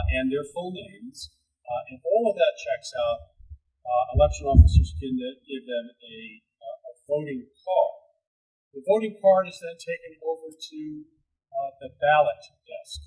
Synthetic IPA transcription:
ɨ̃nðə˞fõʊ̃nẽɪ̃nz̥ | ɨ̃nɔlˠʌvðɨt̚t͡ʃʰɛksaʊt̚ | əlɛkʃɨ̃nɔfəsə˞z̥kʰɨ̃nɨɡ̥ɪvðɨ̃mɨ | əvõʊ̃nɪ̃ŋkʰɑɹ | ðəvõʊ̃ɾ̃ɪ̃ŋkʰɑɹɾɨzðɨ̃ntʰeɪkɨ̃noʊvə˞ɾʉ | ðɨbælˠətd̥ʰɛsk

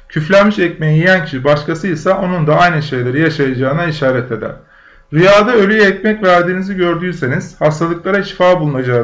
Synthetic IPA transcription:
cʰyflʲænmiʃɛcme̞jijijæncʰiʃibaʃkasɯjsaʔo̞nund̪aajnɯʃe̞jlʲe̞ɾijaʃajad͡ʒaːɯnaiʃaːɾɛt̪ʰe̞d̪æ̰ɾ̥ | ɾyjaːd̪aølʲyjɛcmɛcvæɾd̪iːniziɟø̞ɾd̪yːse̞niz̥hast̪ʰalˠɯklˠaɾaʃi̥faːbulˠunad͡ʒa

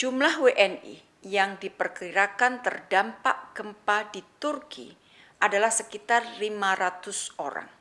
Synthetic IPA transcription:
d͡ʒumlahweʔɛnḭ | jaŋdipərkiɾakant̪ərdampa̰ʔɡ̥əmpadit̪urkḭ | ʔadalahsəkit̪arlimaɾat̪ʊsoɾa̰ŋ

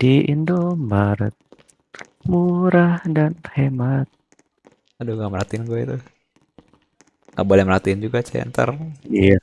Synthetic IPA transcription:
d̥iindombaɾə̰t̪̚ | muɾahdanhemat̪̚ | aduŋɡaməɾat̪iɪnɡuait̪u | ŋabolɛhməɾat̪iɪnd͡ʒuɡat͡ʃɛ̰nt̪ə̰rija

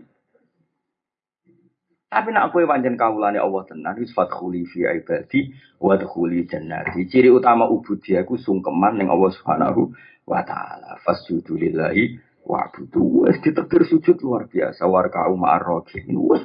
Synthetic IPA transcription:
t̪apinaʔkuepaɲt͡ʃɛnkawulaneʔɔlːɔht̪ənansfat̪xulifiʕib̥ad̪̥i | wad̪xuli̥d͡ʒə̤nːa̰t̪it͡ʃiɾiut̪amaʔub̥ṳd̪̥ijakusuŋkəmanːɪŋʔɔ̰lːɔhsub̥hana̰ɦu | wʔa̰t̪a̰a̰la̰fasud̪̥ulɪlːaɦi | wʔa̰ʕb̥ud̪̥uwɛsd̪̥i̤t̪əɡ̥ərsu̥ʒ̥ʊt̪̚luarb̥ia̰sawarka̰umaʔarːɔɡʰiḭnḭwɛ

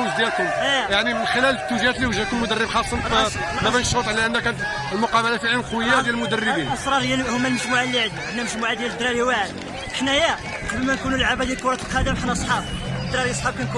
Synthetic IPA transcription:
zd̪jælkʊmjaʕnimənxəlælt̪ːuʒhæt̪liwəʒækʊmːʊd̪ərːəbxɑsˤɑnfæ | mæbænʃʊt̪ˤʕlæʔənːækæt̪ | lmʊqɑbəlafiʕəlqwəjːajælmʊd̪ərːəbinʔsˤɾˤɑɾˤhəjːæhʊmːælməʒmuʕalːiʕd̪uʕəd̪næməʒmuʕad̪jæld̪ɾɑɾiwaʕd̪ | ʔəħnæjæ | qɑblmænkunulʕabæd̪jælkʊɾˤɑt̪əlqɑd̪əmħanʔsˤħɑbd̪ɾɑɾiɑsˤħɑb̚kænku

